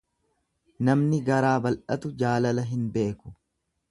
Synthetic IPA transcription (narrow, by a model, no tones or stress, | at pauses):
nɐmnɪɡɐɾaːbɐlʔɐt̪ʊd͡ʒaːlɐlɐɦɪnbe̞ːkʊ̥